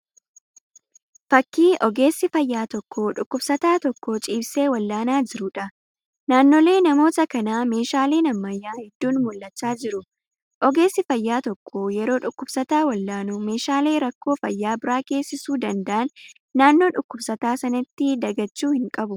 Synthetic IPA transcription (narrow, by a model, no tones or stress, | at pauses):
fɐkːiːʔɔɡe̞ːsːɪfɐjːaːt̪ɔkʰːoːᶑʊkːʊbsɐt̪aːt̪ɔkːoːt͡ʃʼiːbse̞ːwɐlːaːnaːd͡ʒɪɾʊᶑɐ | naːnːoːle̞ːnɐmo̞ːt̪ɐkɐnaːme̞ːʃaːleːnɐmːɐjːaːhɛd̪ːuːnmʊlːɐt͡ʃːaːd͡ʒɪɾʊ | ʔɔɡe̞ːsːɪfɐjːaːt̪ɔkʰːoːjɛɾo̞ːᶑʊkːʊbsɐt̪aːwɐlːaːnʊme̞ːʃaːle̞ːɾɐkːo̞ːfɐjːaːbɪɾaːke̞ːsːɪsuːd̪ɐnd̪ɐʔɐnː | aːnːo̞ːᶑʊkːʊbsɐt̪aːsɐnɐt̪ːɪd̪ɐɡɐt͡ʃːuːhɪŋkʼɐbʊ